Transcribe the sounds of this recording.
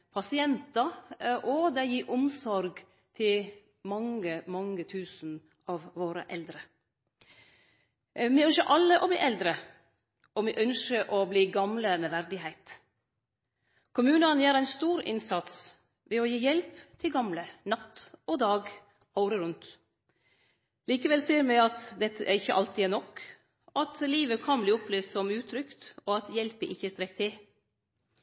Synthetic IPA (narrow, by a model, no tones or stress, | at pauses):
pʰɑsɪɛnt̪ɑʔɔd̪ɛɪjiːʔʊmsɔɾɡ | t̪ʰɪl | mɑŋəmɑŋːət̪ʰʉːsn̩ | ɑʋʋoːɾə̰ʔɛld̪ɾə | mɪœnʃəʔɑlːəʔɔblḭːʔɛld̪ɾə | ɔʋiːʔœnʃəʔɔbliːɡɑmləmeːʋæɾd̪ɪɦæɪt̪ | kʰʊmʉːnɑnjæːɾæɪnst̪uːɾɪ̰nsɑt̪s | ʋɛɔjiːjɛlpt̪ʰɪlɡɑmlənɑt̪ːod̪ɑːɡ | ɑʊɾəɾʉnt̪ | liːkəʋɛlsiːəɾmɛɪɑt̪d̪ɛt̪ːəʔæɾɪçːəʔɑlt̪ɪːnɔk | ʔɑt̪liːʋəkʰɑnbliːɔpʰlɪːʋd̪sɔmʉːt̪ʰɾʏkt̪oːɑt̪jɛlpəʔɪçəst̪ɾɛkːt̪ʰɪ